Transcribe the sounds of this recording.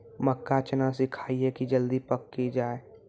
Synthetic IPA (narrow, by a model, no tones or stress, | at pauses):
məkːat͡ʃənasɪkʰaːiekid͡ʒəld̪ipəkːid͡ʒaːe